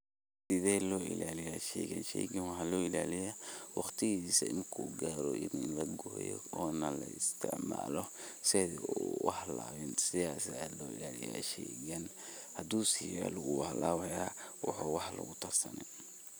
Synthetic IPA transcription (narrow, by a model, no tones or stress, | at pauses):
sɪðɛːlɔːɪ̰laːlɪjaʃɛɣɐ̰nʃɛ̰ɡɐnwɑħɑlɔːɪlaːlɪjawɑχt̪ʰɪɣisɐɪmkʰuɡaːɾɔʔɪnɪnlɐɡɔːjɔ̰ɔːnɐlɐɪst̪ʰɪ̰ʕma̰ːlɔ | sɛðiwɑħlaːβɪnsɪjaːslɔːɪ̰laːlɪja̰ːʃɛɣɐn | hɐd̪uːsɪja̰lʊɣʊwhlaːwɐjaː | wɑħuːwɑħlɐ̰ɣʊt̪ʰɐrsɐnɛ̰